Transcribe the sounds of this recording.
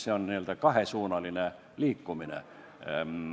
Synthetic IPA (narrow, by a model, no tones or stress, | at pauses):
seonniølt̪ækɑɦesuːnɑline | liːkːuminḛ